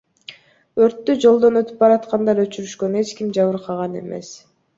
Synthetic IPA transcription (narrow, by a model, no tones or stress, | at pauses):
ø̞ɾt̪ːyd͡ʒo̞lˠd̪o̞nø̞t̪y̥p̚bɑɾɑt̪qɑnd̪ɑɾøt͡ʃyɾyʃkøne̞t͡ʃkimd͡ʒɑβɯɾqʰɑʁɑne̞̰me̞̰s